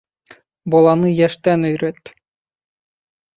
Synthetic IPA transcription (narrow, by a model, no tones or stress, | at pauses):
bolˠɑnɯjæʃt̪ænøjɾøt̪